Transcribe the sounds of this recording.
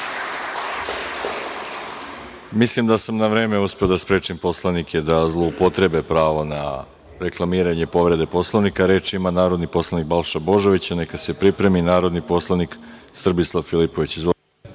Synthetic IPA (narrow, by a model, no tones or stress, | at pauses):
mislimd̪asamnaʋɾe̞ːme̞uspeod̪aspɾe̞ːt͡ʃimpo̞slˠanikʰed̪azlˠo̞upo̞t̪ɾe̞be̞pɾaːʋona̰ | ɾe̞klˠamiːɾaɲe̞po̞ʋɾe̞d̪e̞po̞slˠaʋnikaɾe̞ːt͡ʃimanaːɾo̞d̪nipo̞slˠanik̚balʃabo̞ʒo̞ʋit͡ɕane̞kase̞pɾipɾe̞minaːɾo̞d̪nipo̞slˠanik | sr̩bislˠaʋfilipo̞ʋit͡ɕizo